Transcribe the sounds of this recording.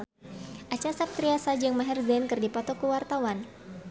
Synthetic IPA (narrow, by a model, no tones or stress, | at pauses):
ʔat͡ʃasap̚t̪ɾiasad͡ʒɨŋmaɦɛrzɛnkɨrdipɔt̪ɔkuwart̪awan